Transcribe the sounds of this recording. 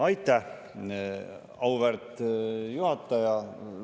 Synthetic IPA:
ɑjt̪ːˑæh | ɑwvært̪juhɑt̪ːˑɑjɑ

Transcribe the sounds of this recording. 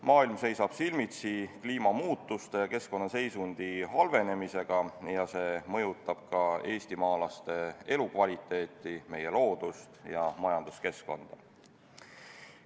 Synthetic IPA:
mʔɑːilmse̞jsɑb̥silmit̪sikliːmɑmuːt̪ːˑust̪e̞jɑke̞sko̞nːɑse̞jsund̪̥iɦɑlve̞ne̞mise̞ɡ̥ɑjɑse̞ːmɤ̞jut̪ˑːɑb̥̚kɑe̞ːst̪imɑːlɑst̪e̞e̞lukvɑlʲit̪ːˑe̞ːt̪ːˑime̞je̞lo̞ːd̪̥ust̪jɑmɑjɑnd̪̥uske̞sko̞̰nd̪̥ɑ

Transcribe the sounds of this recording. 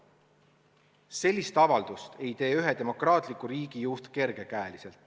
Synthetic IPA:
se̞lʲːist̪ɑvɑld̪̥ust̪e̞jt̪e̞ːyɦet̪e̞mo̞krɑːt̪ˑlikːˑuɾiːɡ̥ijust̪ke̞rɡ̥e̞kæelise̞lt̪ːˑ

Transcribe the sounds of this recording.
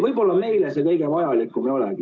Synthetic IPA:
vɤjbo̞lːɑme̞jlesekɤjɡ̥evɑjɑlikːumeo̞lɛ̰ɡ̥i

